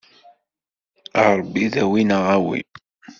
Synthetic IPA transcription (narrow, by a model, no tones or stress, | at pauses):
əɾˤbːiðæwinəʁæwḭ